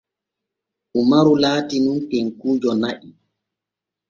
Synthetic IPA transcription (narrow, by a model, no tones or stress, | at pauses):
ʔumaɾulaːtinunteŋkuːd͡ʒɔnaʔi